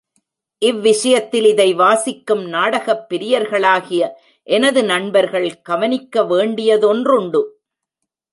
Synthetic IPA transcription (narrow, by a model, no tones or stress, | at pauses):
ʔɪʋːɪʂɐjɐt̪ːɪlɪðɐɪʋaːsɪkːɯmnaːɽɐɣɐpːɪɾɪjɐɾɣɐɭaːɣɪjɐ | ʔɛnɐðɯnɐɳbɐɾɣɐɭɡ̥ɐʋɐnɪkːɐʋeːɳɖɪjɐðɔndrʊɳɖɯ